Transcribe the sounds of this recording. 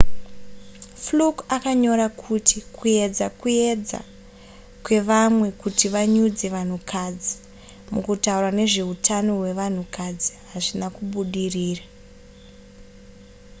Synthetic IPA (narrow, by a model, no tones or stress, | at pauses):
flukakaɲo̞ɾakʰutʰikuje̞d͡zakuje̞d͡za̰ | kwe̞ʋamwe̞kutiʋaɲud͡ze̞ʋan̤ukʰad͡zi | mukutaurwane̞ʐe̞ɦutʰano̞we̞ʋan̤ukʰad͡ziɦaʐinakuɓuɗiriːra